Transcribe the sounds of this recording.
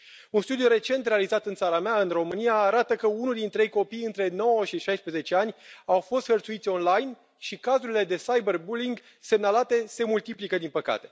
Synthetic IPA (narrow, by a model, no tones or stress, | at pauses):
unst̪ud̪ijuɾe̞t͡ʃe̞nt̪ɾealizat̪ɨnt̪saɾameaɨnro̞mɨnijaːɾat̪əkəunuld̪int̪ɾe̞jko̞pijɨnt̪ɾe̞no̞wəʃiʃajspɾeze̞t͡ʃe̞anʲawfo̞st̪hərt̪suit̪sʲo̞nlajn | ʃikazuɾile̞d̪e̞sajberbuliŋɡ | se̞mnalat̪e̞se̞mult̪iplikəd̪inpəka̰t̪e̞̥